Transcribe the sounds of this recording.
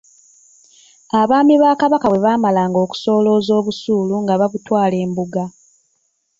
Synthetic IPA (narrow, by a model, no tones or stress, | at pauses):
aβaːmiβaːkaβakaweβaːmalaːŋɡo̞ːku̥so̞ːlo̞ːzo̞ːβusuːluŋɡaβaβutwaːle̞ːmbuɡa